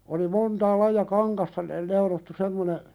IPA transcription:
oli montɑː lɑijɑ kɑŋkɑstɑ ne neulotːu semːone

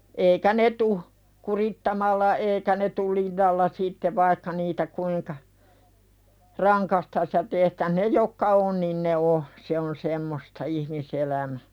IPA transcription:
eikæ ne tuh kuritːɑmɑlːɑ eːkæ ne tul linːɑlːɑ sitːe ʋɑikːɑ niːtæ kuiŋkɑ rɑŋkɑstɑs jɑ tehtæh ne jokːɑ on niːn ne o se on semːostɑ ihmiselæmæ

